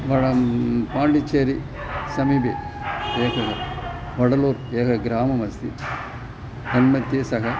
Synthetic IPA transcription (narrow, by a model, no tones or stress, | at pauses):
ʋɐɽɐpaːɳɖit͡ʃeːɾi | sɐmibeeːkʰɐɦɐ | ʋɐɽɐloːɾeːkʰɐɡɾaːmɐmɐst̪ḭ | d̪ɐnmɐt̪jeːsɐɦɐ